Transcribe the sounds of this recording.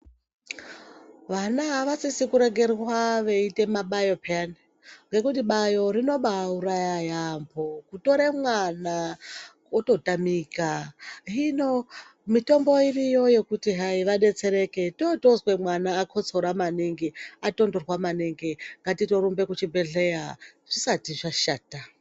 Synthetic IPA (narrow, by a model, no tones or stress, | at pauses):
ʋanaɦaʋasisikuɾe̞ɡe̞rwaʋe̞ite̞maɓajo̞peani | ŋɡe̞kutiɓajo̞ɾino̞ɓauɾajajambo̞kuto̞ɾemwana | oto̞tamiːkaɦino | mito̞mbo̞irijo̞je̞kutiɦaiʋaɗe̞t͡se̞ɾe̞ke̞totozwe̞mwanaːkʰo̞t͡so̞ɾamaneŋɡeato̞ndorwamaneŋɡeŋɡatito̞ɾumbe̞kut͡ʃibe̞ɮejaʐ̥isatiʐaʃaːta